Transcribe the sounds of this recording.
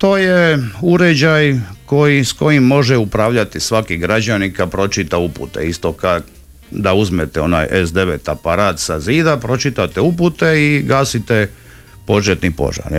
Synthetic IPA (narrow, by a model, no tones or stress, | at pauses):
t̪o̞ːjeuɾed͡ʑajko̞jisko̞jimːo̞ʒɛupɾaːʋʎat̪isʋakiɡɾad͡ʑanikapɾo̞t͡ʃit̪aupṵt̪ḛist̪o̞ka | d̪auzmet̪ɛo̞̰na̰ːjesd̪e̞ʋḛt̪apaɾaːt̪saziːd̪apɾo̞t͡ʃit̪at̪euput̪eiɡaːsit̪e | po̞ʒet̪nipo̞̰ʒa̰ɾ